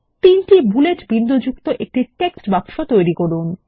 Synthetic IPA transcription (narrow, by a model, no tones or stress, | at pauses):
t̪inʈibuleʈbind̪od͡ʑukt̪oʔek̚ʈiʈeksʈbakʃot̪ojɾikoɾun